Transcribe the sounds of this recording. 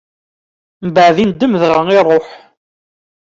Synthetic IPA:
mbəʕðind̪ːəmðʁəŋirˤːoħ

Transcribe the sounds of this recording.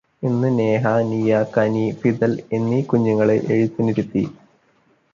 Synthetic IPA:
inːɨneːɦɐnijɐkɐnifid̪ɐlenːikuɲːuŋːɐɭeʔeɻit̪ːiniɾut̪ːi

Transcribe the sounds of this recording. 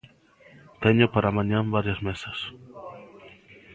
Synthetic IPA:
t̪eɲʊpaɾamãɲãmbaɾjazmesas

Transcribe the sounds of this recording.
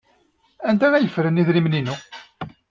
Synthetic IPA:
ænd̪æŋæjəfɾəniðɾimninu

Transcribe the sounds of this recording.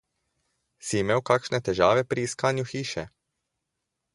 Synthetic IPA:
simɛwkakʃnɛt̪ɛʒaːʋɛpɾiːskaːnjuxiːʃɛ̰

